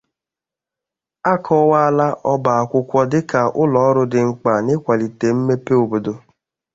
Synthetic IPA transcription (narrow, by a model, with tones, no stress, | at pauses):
a˦kʰɔ˦wa˦a˦la˦ʔɔ˦ba˨a˨kʷʊ˦kʷɔ˦dɪ˦ka˨ʔʊ˦lɔ˨˦ɾʊ˦dɪ˨ŋ̩˨k͡pa˨nɪ˦kʷa˨li˨te˨m̩˦me˦pe˦o˨bo˨do˨